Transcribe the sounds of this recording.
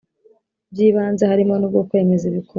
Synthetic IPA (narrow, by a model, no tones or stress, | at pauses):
b̚jiːβaːnzehaɾimo̞nub̚ɡokwe̞ːme̞ziβiko